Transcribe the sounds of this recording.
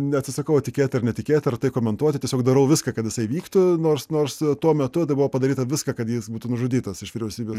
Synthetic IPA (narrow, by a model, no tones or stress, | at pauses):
nʲɛɐt̪ʲsʲɪsɐkɐʊɐtʲɪkʲeːt̪ʲɪɐɾnʲɛtʲɪkʲeːt̪ʲɪɐrt̪ɐɪkoːmʲɛnt̪uɔt̪ʲɪtʲiɛsʲoːɡ̚d̪ɐɾɐʊʋʲɪskɐːkɐt̪jɪsɐɪʋʲiːkt̪ʊnoːrsnoːrst̪uɔmʲɛt̪ʊt̪ɐɪbʊʋoːpɐd̪ɐɾʲiːt̪ɐʋʲɪskɐkɐt̪jiːsbuːt̪uːnʊʒʊd̪ʲiːt̪ɐsɪʃʋʲiːɾʲɛʊsʲiːbʲeːs